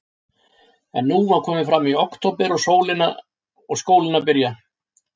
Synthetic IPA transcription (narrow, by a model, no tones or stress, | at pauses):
ɛ̰nːuvakʰɔːmɪfɾamːiɔwkt̪ʰɔpɛɾɔɣsoːwlɪna̰ | ɔɣskoːwlɪnapɪɾja